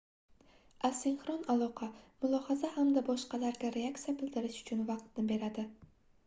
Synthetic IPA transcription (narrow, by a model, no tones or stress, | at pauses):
asɪnχɾɒnalˠɒqʰɑmʊlˠɒhazahamd̪abɒʃqɑlaɾɡʲaɾe̞akt̪sijabɪld̪ɪɾɪʃʊ̥t͡ʃʰʊnvɑqt̪̚nɪbe̞ɾad̪ɪ